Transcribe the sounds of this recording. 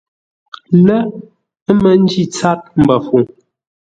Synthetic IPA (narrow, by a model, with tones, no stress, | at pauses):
lə˦ | ə˦mə˦n̩˦d͡ʒi˦˨t͡sa˦t̚m̩˨bə˨fu˨ŋ